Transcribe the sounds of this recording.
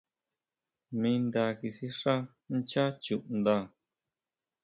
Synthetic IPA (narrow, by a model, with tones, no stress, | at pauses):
mĩ˧nd̪a˧ki˧si˦ʂa˦ | n˦t͡ʃa˦t͡ʃu˧˨ʔnd̪a˦˧˨